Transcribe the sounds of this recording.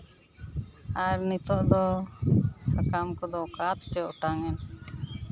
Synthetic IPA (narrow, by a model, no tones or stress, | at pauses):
aɾnit̪ɔʔd̪ɔ | sakamkɔd̪ɔkat̪t͡ʃɛɔʈaŋɛn